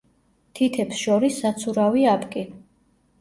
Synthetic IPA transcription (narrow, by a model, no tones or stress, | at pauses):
t̪ʰit̪ʰɛpsʃɔɾisːat̪sʰuɾaviapʰʼkʼi